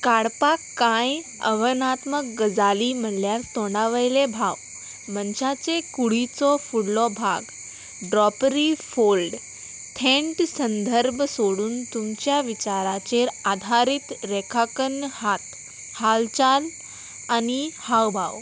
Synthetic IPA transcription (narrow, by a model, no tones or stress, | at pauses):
kaɽpakːãj | ə̰ʋənat̪mək̚ɡəd͡zaliːməljast̪ɔɽaʋəjlebʱaw | mənɕat͡sekuɽit͡sɔfuɽlɔbʱa̰ɡ | ɖɾɔpɾifolɖ | t̪ʰẽɳʈsənd̪ʱəɾbʱsoɽuːnt̪umt͡ɕjaʋit͡ɕaɾat͡ɕeɾad̪ʱaɾit̪ɾekʰakənhat̪ | halt͡ɕal | anihawbʱaw